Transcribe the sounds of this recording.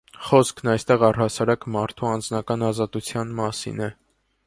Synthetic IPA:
χɔskʰnɑjst̪ɛʁɑrhɑsɑɾɑkmɑɾt̪ʰuɑnd͡znɑkɑnɑzɑt̪ut͡sʰjɑnmɑsḭnɛ

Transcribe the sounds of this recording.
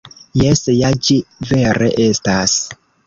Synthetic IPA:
jesjad͡ʒiveɾeʔe̞stas

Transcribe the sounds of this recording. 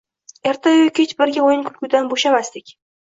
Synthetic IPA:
eɾt̪ʰaʊjkʲʰet͡ʃbɪɾɡʲaojɪnkʰʊlɡʲʊd̪anboʃamast̪ɪkʲ

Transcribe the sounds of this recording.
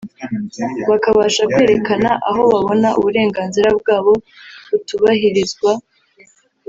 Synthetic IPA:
βakaβaːʃakwe̞ːɾe̞kanaʔaɦo̞βaβo̞naʔṵβuɾe̞ːŋɡaːnziɾabɡaːβo̞βutuβaɦiɾizɡwa

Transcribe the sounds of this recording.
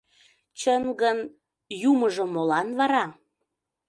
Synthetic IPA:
t͡ɕəŋɡən | juməʒə̆molɑnβɑɾɑ

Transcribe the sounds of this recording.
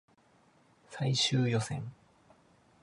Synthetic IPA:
saiɕɨːjo̞sḛ̃ŋ

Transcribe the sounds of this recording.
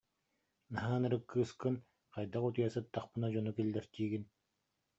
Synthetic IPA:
naɦaːnɯɾɯkːɯːskɯn | qajd̪aqut̪ujasɯt̪ːaχpɯnad͡ʑɔnukilʲːɛɾt̪iːɡin

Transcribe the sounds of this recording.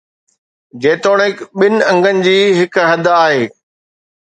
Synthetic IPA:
d͡ʑeːt̪oːɽ̃ɪkɓɪnɪ̆ɐ̃ŋɡʱənɪ̆d͡ʑiːɦɪkɦɐd̪ʱaːɦeː

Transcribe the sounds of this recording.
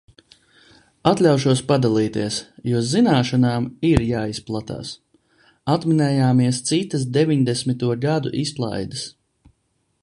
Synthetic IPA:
at̪lʲawʃuɔspad̪alˠiːt̪iɛsjuɔzinaːʃanaːmiɾjaːisplˠat̪a̰ːs | at̪minɛːjaːmiɛst̪sit̪ɐs̬d̪evʲiɲd̪esmit̪uɔɡad̪ṵʔisplˠa̰jd̪əs

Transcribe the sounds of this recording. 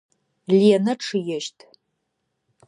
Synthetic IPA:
liɛnɐʈ͡ʂʰɨjɛʃtʼʰ

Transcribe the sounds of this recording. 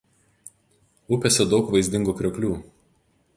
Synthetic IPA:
ʊpʲɛsʲɛd̪ɒʊkʋɐɪzʲd̪ʲɪŋɡuːkɾʲokʲlʲuː

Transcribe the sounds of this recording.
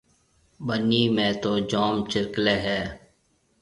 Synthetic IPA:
bəniːmẽːt̪oːd͡ʒaːmt͡ʃɪɾkleːɦɛː

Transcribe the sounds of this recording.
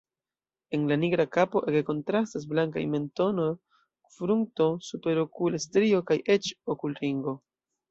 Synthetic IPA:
e̞nlaniɡɾakapo̞ʔekko̞ntɾastas̬blaŋka̰jme̞nto̞no̞j | fɾuŋto̞supe̞ɾokulestɾio̞kajʔe̞t͡ʃokulɾiŋɡo̞

